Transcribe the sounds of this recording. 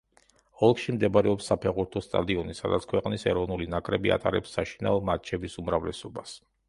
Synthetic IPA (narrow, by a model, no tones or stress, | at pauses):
ɔlˠkʰʃimd̪ɛbɾɛɔpsːapʰɛʁuɾt̪ʰɔst̪ʼa̰d̪iɔnisad̪at̪sʰkʰwɛqʼnisɛɾɔvnulinakʼɾɛbia̰t̪ʼaɾɛpsːaʃinaɔmat͡ʃʰɛbisumɾavlɛsɔbas